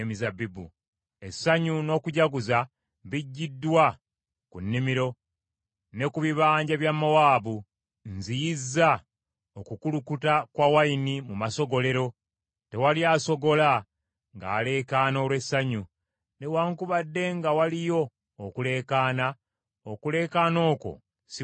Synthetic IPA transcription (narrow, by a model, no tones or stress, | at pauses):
emizabibṵ | e̞sːaɲuno̞ːkuɟaɡuza | βiɟːidːwa | kunːimiɾo̞ | ne̞kuβiβaːɲɟaβjamːawaːβu | nzijizːa | okukulukutakwawainimumaso̞ɡo̞le̞ɾo̞ | te̞waliaːso̞ɡo̞la | ŋɡa̰ːle̞ːkaːno̞ːlwe̞sːaɲu | newaːŋkuβadːe̞ŋɡawalijo̞ː | kule̞ːkaːna | okule̞ːkaːno̞ːko̰ | si